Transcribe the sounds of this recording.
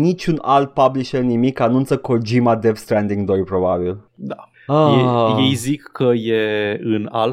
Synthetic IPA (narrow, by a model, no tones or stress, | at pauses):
nit͡ʃʲunalt̪̚pabliʃernimikanunt̪səkod͡ʒimad̪evst̪ɾɛnd̪iŋɡd̪ojpɾobabild̪a | aejejzikːəjeɨna̰l